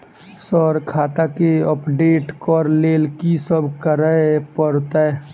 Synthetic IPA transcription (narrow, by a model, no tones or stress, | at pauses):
sɔɾkʰaːt̪akeəpɖeːʈkɔːɾleːlkisəbʱkəɾəpəɾt̪ɛ